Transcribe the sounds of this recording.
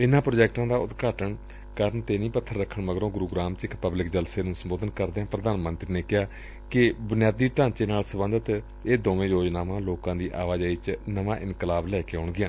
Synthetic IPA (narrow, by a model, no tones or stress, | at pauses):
ɪnãːpɾoːd͡ʒɛːk̚ʈãːd̪aːʊt̪ɡaːʈəɳ | kəɾənt̪eːnĩːpət̪ʰːəɾːəkʰːəɳʋəɡɾõːɡʊɾuːɡɾaːmt͡ʃɪkpəblɪkd͡ʒəlseːnũːsəmboːd̪ənkəɾd̪eːãːpɾəd̪aːnmənt̪ɾiːneːkɪɦaː | kɪbʊnɪjaːd̪iːʈãːnt͡ʃeːnaːlsəbə̃nd̪ət̪ | eːd̪oːʋẽːjoːd͡ʒnaːʋãːloːkãːd̪iːʔaːʋaːd͡ʒaːit͡ʃnəʋãːʔɪnkəlaːblɛːkeːɔːɳɡɪjãː